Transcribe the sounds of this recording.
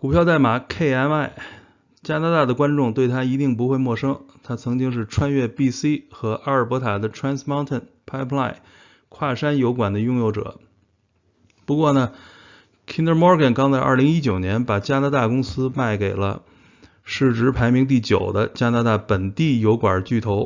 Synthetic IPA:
ku˨˩pʰjɑ˥˧ʊt̪a˥˩ɪma˨˩kʰe˥˩ɪa˥na˥˩ɪ | t͡ɕja˥na˧˥t̪a˥˩d̪ə˩kwa˥nʈ͡ʂʊ˥˧ŋt̪we˥˩ɪt̪ʰa˥i˧˥t̪i˥˩ŋp̬u˧˥xwe˥˧ɪmwɔ˥˩ʂɤ˥ŋt̪ʰa˥t͡sʰɤ˧˥ŋt͡ɕi˥ŋʂ̬ɻ̩˥˩ʈ͡ʂʰwa˥nɥɛ˥˧˩pi˥˧si˥xɤ˧˥ʔa˥ə˞˨˩pɔ˧˥t̪ʰa˨˩d̪ə˧ʈ͡ʂʰɹa˥nsma˥ʊnt̪ʰə˥˩npʰa˥ɪpʰla˥˩ɪ | kʰwa˥˩ʂa˥njo˧˥ʊkwa˨˩nd̪ə˦jʊ˥˧ŋjo˥˩ʊʈ͡ʂɤ̰˨˩˦ | pu˧˥kwɔ˥˩nə˩ | kʰi˥nt̪ə˥˧mɔ˥ɡə˨˩nkɑ˥ŋt͡sa˥˧ʔɐ̰˞˥˩li˧˥ŋi˥t͡ɕjo˨˩ʊnjɛ˧˥npa˨˩t͡ɕja˥na˧˥t̪a˥˩kʊ˥ŋsɹ̩˥ma˥˩ɪke˨˩ɪlə̰˦ | ʂɻ̩˥˩ʈ͡ʂɻ̩˧˥pʰa˧˥ɪmi˧˥ŋt̪̬i˥˩t͡ɕjo̰˨˩ʊd̪ə˦t͡ɕja˥na˧˥t̪a˥˩pə˨˩nt̪i˥˩jo˧˥ʊkwa˨˩t͡ɕy˥˩t̪ʰo˧˥ʊ

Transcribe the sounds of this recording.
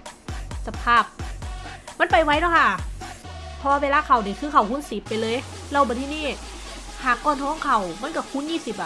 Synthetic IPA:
sa˧pʰaː˧˥˩p̚ | ma˧˥˨npa˨˩jwa˧˩jdɔ˧˥˩kʰa˧˥˩ | pʰɔ˧waː˧weː˧laː˧˨kʰa˨˩wni˨˩kʰɯː˧˩kʰa˨˩whu˧˥˨nsi˨˦pːa˨jlɤː˧j | lɛ˧˩wbɔː˨˦t̪ʰiː˧niː˧˥˩ | haː˨˩kːɔː˧˩˨nt̪ʰɔː˧˥˨ŋkʰa˨˩wma˧˥˨ka˧˩kʰu˧˥˨njiː˧˨si˨˦p̚a˧

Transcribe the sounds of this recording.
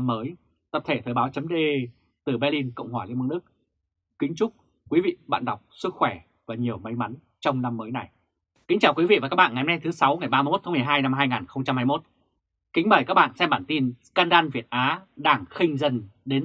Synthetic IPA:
mːəː˨˦j | t̪ə˨˩p̚t̪ʰe˧˩t̪ʰəː˨˩ɓaː˨˦wt͡ɕə˨˦mɗe˧ | t̪ɨ˨˩ɓɛ˧li˧nkə̰˧˨wŋ͡mhwaː˧˩l̰nɓaː˧nɗɨ˦˥k̚ | kï˨˦ŋ̟t͡ɕʊ˦˥k͡p̚ | kwi˨˦vḭ˧˨ɓa̰ː˧˨nɗa˨˩wk͡p̚sɨ˦˥k̚xwɛ˧˩ | vaː˨˩ɲi˨˩əwmə˨˦jma˨˦n | t͡ɕɔ˧wŋ͡mna˧mːəː˨˦jna˨˩j | kï˨˦ŋ̟t͡ɕaː˨˩wkwi˨˦vḭ˧˨vaː˨˩kaː˦˥ɓa̰ː˧˨nŋa˨˩˨nɛ˧t̪ʰsa˨˦wŋa˨˩jɓaː˧jm˦˥t̪̚ʰa˨˦m˨˩əjɦaː˧jna˧mɦaː˧jŋaː˨˩nxə˧wŋ͡mt͡ɕa˧mhaː˧jmo˦˥t̚ | kï˨˦ŋ̟ɓəː˧˩kaː˦˥k̚ɓa̰ː˧˨nsɛ˧mɓaː˧˩nt̪i˧nskaː˧nɗaː˧nvi˨˩ət̚ʔaː˨˦ɗaː˨˩ŋxï˧ŋ̟zə˧nɗe˨˦n

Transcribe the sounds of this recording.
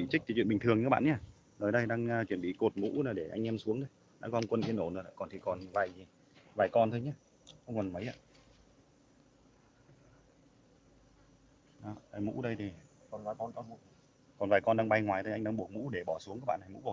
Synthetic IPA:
ḭ˧˨t͡ɕi̟˦˥t̪ʰi˨˩t͡ɕwḭ˧˨ɓi˨˩ŋt̪ʰɨ˨˩əŋɲː˧˦˥ɓ̰ːɲaː˧˩ | zoː˨˩jɗə˧jɗaː˧ŋː˧t͡ɕwi˧˩ənɓḭ˧˨ko˨˩t̚mṵ˧˥naː˨˩ɗe˧˩ʔa˧ŋʔɛ˧msu˨˦əŋɗə˧j | na̰ː˧˥kɔ˧ŋ͡mkwə˧nʔi˧ənːo˧˩nɨ̰˨˧˩la̰˧˨˩kɔ˨˩nt̪i˨˩kɔ˨˩nvaː˨˩jzi˨˩ | vaː˨˩jkɔ˧nt̪ʰo˧jɲa˧ | xə˧wŋ͡mkɔ˨˩nmə˨˦jʔa̰ː˧˨ | ɗɔ˨˦a˨˩jmṵ˧˥ɗə˧jt̪ʰi˨˩kɔ˨˩nvaː˨˩jkɔ˧nkɔ˧ṵ˧˥ | kɔ˨˩nvaː˨˩jkɔ˧nɗaː˧ŋɓa˧jŋwaː˨˩jt̪ʰo˧ʔa˧ŋ̟ɗaː˧ŋɓu˨˩ək̚mṵ˧˥ɗe˧˩ɓɔ˧˩su˨˦ŋaː˦˥k̚ɓ̰ːna˨jmṵ˧˥ɓ

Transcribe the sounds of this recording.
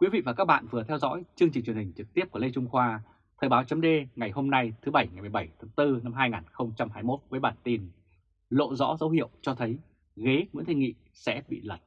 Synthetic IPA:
kwi˨˦vḭ˧˨vaː˨˩kaː˦˥k̚ɓa̰ː˧˨nvɨ˨˩ət̪ʰɛ˧wzɔ̰˧˥jt͡ɕɨ˧əŋt͡ɕi̟˨˩t͡ɕwnhï˨˩ŋ̟t͡ɕɨ˨˩k̪̚i˦˥əp̚ku˧˩lə˧t͡ɕʊ˧ŋ͡mxwaː˧ | t̪ʰəː˨˩jɓaː˨˦wt͡ɕə˨˦mɗe˧ŋa˨˩jho˧mna˧jt̪ʰɨ˨˦ɓə˧˩jŋa˨˩jm˨˩jɓə˧˩jt̪ʰa˨˦ŋt̪ɨ˧na˧mɦaː˧jŋaː˨˩nxə˧wŋ͡mt͡ɕa˧mɦaː˧jmo˦˥t̚vwəː˨˦jɓaː˧˩nt̪i˧n | lo̰˧˨zɔ̰˧˥zə˨˦whḭ˧˨əwt͡ɕɔ˧t̪ʰə˨˦j | ɣe˨˦mṵ˧˥ŋt̪ʰə˧ŋḭ˧˨ | sɛ̰˧˥ɓḭ˧˨lə˨˩t̚

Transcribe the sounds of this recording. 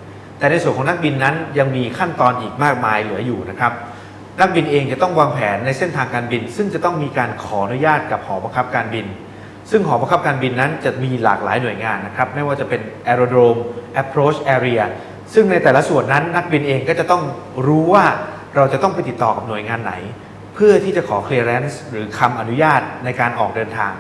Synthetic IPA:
t̪ɛː˨˩na˧jsu˨˩ənkʰɔ˨˦na˦˥k̚bi˧nːa˦˥nja˧ŋmiː˧kʰa˥˩nt̪ɔː˧nʔiː˨˩k̚maː˥˩k̚maː˧jlɯː˩˦ɐjuː˨˩na˦˥kʰɾa˦˥p̚ | na˦˥k̚bi˧nʔeː˧ŋt͡ɕa˨˩t̪ɔ˥˩ŋwaː˧ŋpʰɛː˩˦nːa˧jse˥˩nt̪ʰaː˧ŋkaː˧nbi˧nsɯ˥˩ŋt͡ɕa˨˩t̪ɔ˥˩ŋmiː˧kaː˧nkʰɔː˩˦ʔa˧nu˦˥jaː˥˩t̪̚ka˨˩p̚hɔː˩˦ba˧ŋkʰa˦˥p̚kaː˧nbi˧n | sɯ˥˩ŋɦɔː˩˦ba˧ŋkʰa˦˥p̚kaː˧nbi˧nːa˦˥nt͡ɕa˨˩miː˧la̰ː˨˩k̚la̰ː˩˦jnu˨˩əjŋaː˧nːa˦˥kʰɾa˦˥p̚ma˥˩jwaː˥˩t͡ɕa˨˩pe˧nʔɛː˧ɾoː˧dɾoː˧mʔɛ˦˥pʰɾoː˦˥t͡ɕʔɛː˧ɾi˧ɐ˧ | sɯ˥˩ŋna˧jt̪ɛː˨˩la˦˥su˨˩ənːa˦˥nːa˦˥k̚bi˧nʔeː˧ŋkɔː˥˩t͡ɕa˨˩t̪ɔ˥˩ŋɾuː˦˥waː˥˩ | ɾa˧wt͡ɕa˨˩t̪ɔ˥˩ŋpa˧jt̪i˨˩t̪ːɔː˨˩ka˨˩p̚nu˩əjŋaː˧nːa̰˩˦j | pʰɯ˥˩ɐt̪ʰiː˥˩t͡ɕa˨˩kʰɔː˩˦kʰli˧ɾɛ˦˥nsɾɯː˩˦kʰa˧mʔa˧nu˦˥jaː˥˩t̪̚na˧jkaː˧nʔɔː˨˩k̚dɤː˧nt̪ʰa̰ː˧ŋ

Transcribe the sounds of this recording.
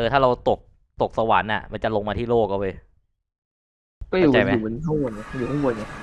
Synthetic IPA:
ɤː˧t̪ʰaː˥˩ɾa˧wt̪o˨˩k̚ | t̪o˨˩k̚sa˧wa̰ː˩˦nʔa̰˨˩ma˧nt͡ɕa˨˩lo˧ŋmaː˧t̪ʰiː˥˩loː˥˩k̚ːa˥˩wa˧j | kɔː˥˩juː˨t͡ɕa˧jma˦uː˨˩mːʰ˩˨˦a˥˩wwo˧na˧˩˧juː˨˩t̪ʰa˥wu˧˩nɲa˧˩

